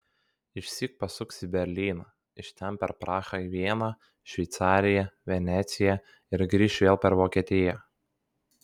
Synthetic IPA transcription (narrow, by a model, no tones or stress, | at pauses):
ɪʃʲsʲiːk̚pɐsʊksʲɪbʲɛɾʲlʲiːnɑ | ɪʃʲt̪ʲɛnpʲɛɾpɾɑːxɐiʋʲiɛnɑː | ʃʲʋʲɛɪt̪sɑːɾʲɪjɛʋʲɛnʲɛt̪sʲɪjɛ | ɪɾɡɾʲiːʃʋʲeːlˠpʲɛɾʋoːkʲiɛt̪ʲɪjɛ